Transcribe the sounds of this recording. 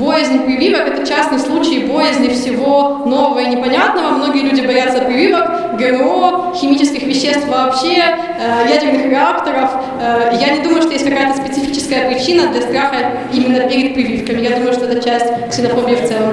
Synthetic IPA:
bojɪzʲnʲɪpɾʲɪvʲivəkɛt̪ət͡ɕasnɨjslˠut͡ɕɪjɪbo̞jɪzʲnʲɪfsʲɪvo̞no̞vəvəinʲɪpɐnʲat̪nəvəmno̞ɡʲɪjəlʲʉdʲɪbɐjat̪səpɾʲɪvʲivək | ɡəoxʲɪmʲit͡ɕɪskʲɪxvʲɪɕːe̞st̪fvɐːpɕe | əjædʲɪrnɨxɾʲɪakt̪əɾəf | əjanʲɪd̪uməjʊʂt̪ojesʲt̚ʲkɐkajət̪əspʲɪt̪sɨfʲit͡ɕɪ̥skəjəpɾʲɪt͡ɕinəd̪lʲɐst̪ɾaxə | imʲɪnːəpʲɪɾʲɪt̪̚pɾʲɪvʲifkəmʲɪjad̪uməjʊʂt̪oɛt̪ət͡ɕæsʲtʲksʲɪnɐfobʲɪjift̪sɛlə

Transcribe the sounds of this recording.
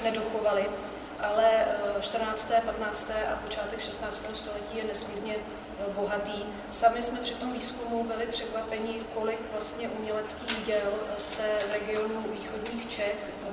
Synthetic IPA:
nɛdo̞xo̞valɪ | ʔalɛʃt̪r̩naːt͡st̪ɛːpat̪naːt͡st̪ɛːʔapot͡ʃaːt̪ɛkʃɛst̪naːt͡st̪ɛːɦost̪o̞lɛciːjɛnɛsmiːɾɲɛ | bo̞ɦat̪iː | samɪsmɛpr̥ɪt̪o̞mviːskumubɪlɪpr̝̥ɛkvapɛɲɪko̞lɪkvlast̪ɲɛʔumɲɛlɛt͡skiːɣɟɛlsɛvɾɛɡɪo̞nuviːxodɲiːxt͡ʃɛx

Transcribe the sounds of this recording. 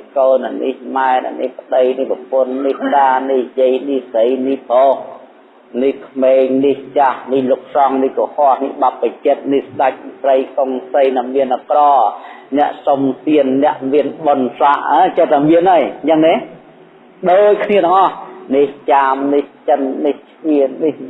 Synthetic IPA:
koːnʔnʔihmaɛna̰ʔnḭhpə̆ɗəjnihləpʊənːihtaːnihjəəjnihsəjnihpoːh | nihkʰmeːŋniht͡ɕahnihluk̚sɑŋnihkohoəhnihɓapːət͡ɕət̪̚nihsɗac̚p̪rəjkoŋsəjnaŋmiənʔakrɑːnɛ̆əʔsomt̪iənːɛ̆əʔmiənɓonsaʔat͡ɕət̪ʰamiənajt͡ɕəŋnɛh | ɗoːc̚kʰniəɗɑŋʔɑhniht͡ɕaːmniht͡ɕənːiht͡ɕʰʔiənnih

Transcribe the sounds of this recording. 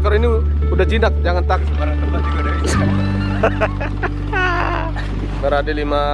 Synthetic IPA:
kaɾoini | udahd͡ʒinak̚d͡ʒaŋant̪aksəbaɾaŋt̪əbat̪iɡadaɾia | məɾadilima

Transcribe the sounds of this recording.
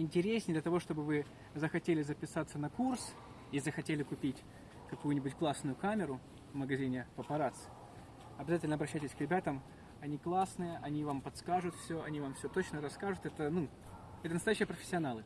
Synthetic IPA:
ɪnʲtʲɪɾʲesʲnʲɪjd̪lʲət̪ɐvo̞ʂt̪o̞bɨvɨ | zəxɐtʲelʲɪzəpʲɪsat̪sənɐkurs | izəxɐtʲelʲɪkʊpʲitʲ | kɐkujʊnʲɪbʊtʲklˠasnʊjʊkamʲɪɾʊ | vməɡɐzʲinʲɪvɐpɐɾat̪sɨ̥ | ɐbʲɪzatʲɪlʲnəɐbɾɐɕːæjtʲɪsʲkɾʲɪbʲat̪əm | ɐnʲiklˠasnɨjəʔɐnʲivampɐt̪skaʐʊt̪fsʲoɐnʲivamfsʲɵt̪ot͡ɕnəɾɐskaʐʊt̪ɛt̪ənu | ɛt̪ənəst̪ɐjæɕːɪjəpɾəfʲɪ̥sʲːɪɐnalˠɨ

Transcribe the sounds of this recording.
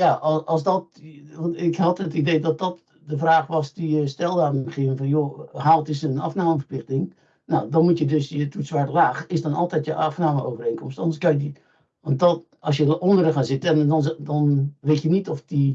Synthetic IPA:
jaɔlˠsdɔtʋɔntɪkhɑtətideːdɔt̚dɔt | dəfraːχʋɔstujəstɛlˠdaːχɪəvənfɔnjoɦaːlˠtɪsənɑ̰fnaːməfərplɪxtɪŋ | nawdɔnmutjədøsjətutsʋaɹtəlaːxɪsdɔnɔ̰lˠtɛtjəʔɑfnaːməʔoːvəreːnkɔmstɔndəskaji | ʋɑnt̚dɔt | ɑlˠsjəʔɔndərəxaːnzɪtənɔndɔnʋetjənitɔfdi

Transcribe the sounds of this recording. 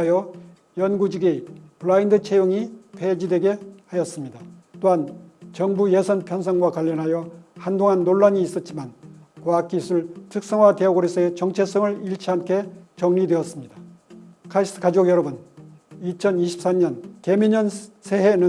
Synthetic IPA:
jʌ | jʌnɡud͡ʑiɡepuɭaindɯt͡ɕʰejoŋipʰed͡ʑidweɡe̞hajʌs͈ɯmɲidat͈oɦant͡ɕʌŋbujesʰʌnpʰjʌnsʰʌŋɡwakwaʎːʌnɦajʌhandoŋɦanːoɭːaɲiːs͈ʌt̚t͡ɕ͈imankoak͈ʰisʰɯɭtʰɯk̚s͈ʌŋwate̞ʌɡoɾis͈ʰʌet͡ɕʌŋt͡ɕʰe̞s͈ʌŋɯɭiɭt͡ɕʰiɦamkʰe̞t͡ɕʌŋnidwe̞ʌs͈ɯmɲidakʰais͈ɯ̥kad͡ʑoɡjʌɾʌbunit͡ɕʰʌniɕʰi̥p̚s͈amɲʌnkemiɲʌnsʰe̞ɦenɯ

